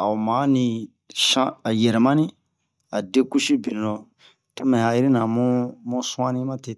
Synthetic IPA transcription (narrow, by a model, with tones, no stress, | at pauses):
a̰˨u˨mã˨˦nĩ˧ | ʃã˦a˨jɛ˨ɾɛ˨mã˦nĩ˦ | a˨de˦ku˦ʃi˦bi˨n˨lõ˨ | to˦mɛ̃˨ha˨ji˦ɾi˦nã˨mũ˦mũ˦sũ˦ã˦nĩ˦mã˦te˨